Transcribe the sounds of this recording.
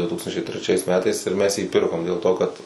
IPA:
dʊ ˈtuːkstɐnʲt͡ʃʲɛɪ tʲrʲɛˈt͡ʃʲɛɪs ˈmʲæːtɐɪs ɪr ˈmʲɛs jiː ˈpʲɪrkoːm dʲeːlˠ ˈtoː ˈkɐt

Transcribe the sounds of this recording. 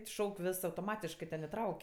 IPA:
ˈʃɐʊkʲ ˈʋʲɪs ɐʊtoːˈmɑːtʲɪʃkɜ tʲɛn ɪˈtrɐʊkʲ

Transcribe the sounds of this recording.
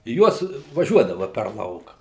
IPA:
ˈjuɔs ʋɐˈʒʲuɔdɐʋɐ pʲɛr ˈlˠɐʊkɐ

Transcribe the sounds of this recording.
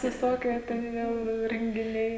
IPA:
ʋʲɪˈsoːkʲiɛ tʲɛn ˈjɛʊ ɪ rʲɛŋʲɡʲɪˈnʲɛɪ

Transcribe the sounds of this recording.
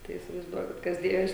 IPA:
tɐɪ iːsʲɪʋɐɪzˈduɔkʲɪt ˈkɐs ˈdʲeːjoːs

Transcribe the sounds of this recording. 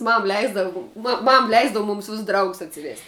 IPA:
ˈmɐm ˈlʲɛɪzdɐʋʊ ˈmɐm ˈlʲɛɪzdɐʋʊ ˈmuːms ˈʋʲɪs ˈdrɐʊɡʊs ɐtʲsʲɪˈʋʲeːsʲtʲ

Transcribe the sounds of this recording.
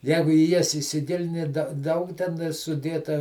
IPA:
ˈjæːɡʊ iː ˈjɛs ɪsʲɪˈɡʲɪlʲɪnʲɪ dɐ ˈdɐʊk tʲɛˈnɐɪ sʊˈdʲeːtɐ

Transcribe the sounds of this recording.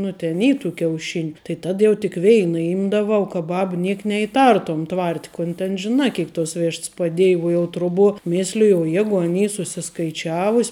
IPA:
ˈnʊ tʲɛn ˈiː tuː kʲɛʊˈʃʲɪnʲʊ tɐɪ ˈtɐt jɛʊ tʲɪk ˈʋʲɛɪnɐ ˈɪmdɐʋɐʊ kɐ ˈbɐp ˈnʲiɛk nʲɛɪˈtɐrtoːm ˈtʋɐrʲtʲ kʊn tʲɛn ʒʲɪˈnɐ ˈkʲeːɪk toːs ˈʋʲɪʃts pɐˈdʲeːj uɔ jɛʊ ˈtrʊˌbuɔ ˈmʲɪsʲlʲɪjʊ oː ˈjæːɡʊ ɐn ˈiː sʊsʲɪskɐɪˈt͡ʃʲæːʋʊsʲ

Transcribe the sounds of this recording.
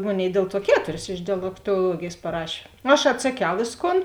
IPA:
ˈmoːˌnʲeːɪ ˈdʲeːlˠ ˌtuɔ ˈkʲæːtʊrʲɪs ɪʃ dʲɛlʲɛktoːˈlˠuɔɡʲeːjeːs pɐˈrɑːʃʲeː ɐʃ ɐtsɐˈkʲɛʊ ˈʋʲeːsˌkoːn

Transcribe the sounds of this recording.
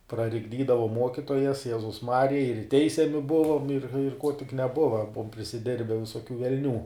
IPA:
prɐrʲɪɡˈdʲiːdɐʋoːm ˈmuɔkʲiːtoːjɛs ˈjæːzʊs ˈmɑːrʲɪjɛ ɪr ˈtʲɛɪsʲɛmʲɪ ˈbʊʋoːm ɪr ɪr koː tʲɪk nʲɛˈbʊʋɐ ˈbʊʋoːm pʲrʲɪsʲɪˈdʲɪrʲbʲɛ ʋʲɪsoːˈkʲuː ʋʲɛlʲˈnʲuː

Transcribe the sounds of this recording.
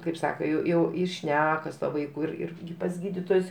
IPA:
kɐɪp ˈsɑːkɐ ˈjɛʊ jɛʊ ɪ ˈʃʲnʲæːkɐ sʊ ˈtuɔ ˈʋɐɪkʊ ɪr ˈɪr pɐs ˈɡʲiːdʲiːtoːjʊs

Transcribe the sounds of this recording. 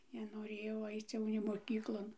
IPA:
nʲɛnoːˈrʲeːjɛʊ ˈɐɪt͡s ˈjɛʊ nʲeː moːˈkʲiːklˠoːn

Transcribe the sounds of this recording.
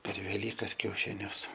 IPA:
pʲɛr ʋʲɛˈlʲiːkɐs kʲɛʊʃʲɪˈnʲʊs

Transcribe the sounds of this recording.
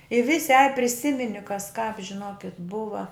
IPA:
ɪ ˈʋʲɪsʲɪ ɐj pʲrʲɪˈsʲɪmʲɪnʲɪ kɐs kɑːp ʒʲɪˈnoːkʲɪt ˈbʊʋɐ

